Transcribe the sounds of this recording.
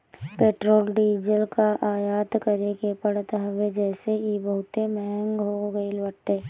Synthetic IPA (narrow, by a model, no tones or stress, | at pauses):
peːʈɾoːlɖiːd͡ʒəlkaʔaːjaːt̪kəɾekepəɽt̪ɦɐʋed͡ʒɛːseibəɦʊt̪emɛɦɛ̃ŋɡɦoɡəilʋəʈːeː